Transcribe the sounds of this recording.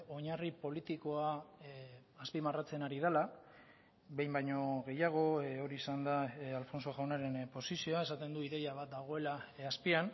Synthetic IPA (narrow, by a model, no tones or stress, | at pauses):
o̞ɲaripo̞lit̪iko̞aː | spimarat͡se̞naɾið̞ela | βe̞jmbajɲo̞ɣe̞jaɣ̞o̞o̞ɾiːsand̪aalfo̞nso̞xawnaɾe̞npo̞sisio̞ae̞sat̪e̞nd̪uiðe̞jaβ̞at̪̚d̪aɣ̞o̞e̞laaspian